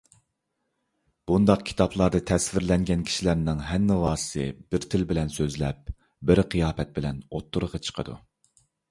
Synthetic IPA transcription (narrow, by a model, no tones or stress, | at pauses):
b̥und̪ɑq̚kʲʰi̥t̪ʰɑplˠɑɾd̪ɨt̪ʰɛsvɪɾlɛŋɡʲɛnkʲʰi̥ʃilæɾnɪŋɦɛnːɪwɑːsɨ̥sɨ̰b̥ɪɾt̪ʰɪlbɪlɛnsøzlɛp̚ | bɪɾqʰijɑːpɛt̪̚bɪlɛnot̪ʰːuɾəʁɑt͡ʃʰə̥qʰə̰d̪ṵ